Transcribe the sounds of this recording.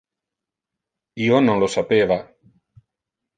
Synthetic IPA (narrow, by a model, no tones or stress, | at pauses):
iːonõnlosapeːva